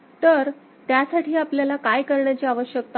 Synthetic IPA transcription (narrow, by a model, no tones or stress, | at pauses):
t̪əɾ | t̪jasaʈiːapljalakajkəɾɳjat͡ɕiːaʋəɕjəkt̪a